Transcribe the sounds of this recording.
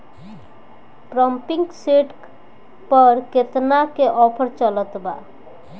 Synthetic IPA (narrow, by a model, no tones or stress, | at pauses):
ʈɾəmpĩŋkseʈ | pəɾket̪nakeʔɔpʰəɾt͡ʃələt̪ba̰